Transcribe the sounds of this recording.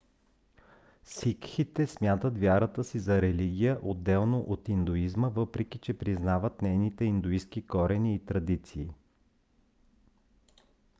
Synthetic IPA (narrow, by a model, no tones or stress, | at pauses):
sikxit̪ɛsmjat̪ət̪vʲjaɾət̪əsizɐɾɛliɡ̟ʲijəʔod̪ːɛlˠnoʔot̪ind̪ʊizməvɤpɾɛkit͡ʃɛpɾiznavət̪nɛjnit̪ɛind̪ʊiskikɔɾɛniːt̪ɾɐd̪it̪siː